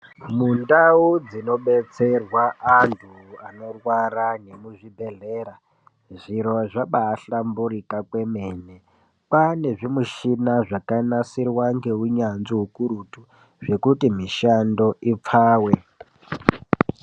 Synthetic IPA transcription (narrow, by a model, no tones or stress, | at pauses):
mundaud͡zino̞ɓe̞t͡se̞rwaʔantʰuano̞rwaɾane̞muʐibʱe̞ɮeːɾa | ʐiɾo̞ʐaɓaːɬambuɾikakwe̞meːne | pane̞ʐimuʃinaʐakanasirwaŋɡe̞ɦuɲanziɦukuɾutu | ʐe̞kutimiʃando̞ʔip͡faːwe